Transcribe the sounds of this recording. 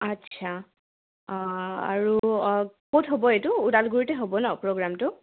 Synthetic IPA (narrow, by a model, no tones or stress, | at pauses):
atːsʰa | a̰ɹu | kotɦobɔetʊudalɡuɹitɛɦobɔnɔpɹoɡɹamtʊ